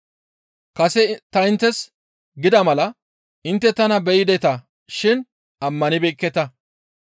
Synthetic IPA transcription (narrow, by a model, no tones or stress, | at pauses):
kɐsɛt̪ɐɪnt̪ːɛs | ɡɪd̪ɐmɐlɐ | ɪnt̪ːɛt̪ɐnɐbɛjɪd̪ɛt̪ɐ | ʃɪn | ɐmːɐnɪbɛkːɛt̪ɐ